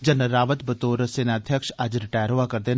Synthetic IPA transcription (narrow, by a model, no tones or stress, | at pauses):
d͡ʒənəɾaːʋət̪bət̪oːɾsenaːd̪ʱjəkʃɐd͡ʒɾɪʈaːjəɾɦoaːkəɾd̪eːn